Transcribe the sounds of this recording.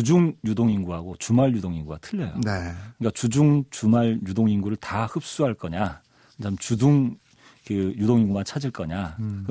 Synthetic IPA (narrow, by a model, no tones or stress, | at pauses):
t͡ɕud͡ʑuŋjudoŋinɡuɦaɡot͡ɕumaɭjudoŋiŋɡuɡatʰɯʎːʌjo̰nekɯɯɲik͈at͡ɕud͡ʑuŋt͡ɕumaɭjudoŋinɡuɾɯɭtahɯp̚s͈uɦaɭk͈ʌɲa | kt͡ɕʰamt͡ɕuduŋ | kɯjudoŋiŋɡumat͡ɕʰad͡ʑiɭk͈ʌɲakɯ